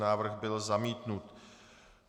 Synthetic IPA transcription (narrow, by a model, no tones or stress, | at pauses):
naːvr̩ɣbɪlzamiːt̪nut̪